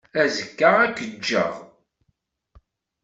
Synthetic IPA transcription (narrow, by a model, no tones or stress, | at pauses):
æzəkːaʁækːəd͡ʒːə̰ʁ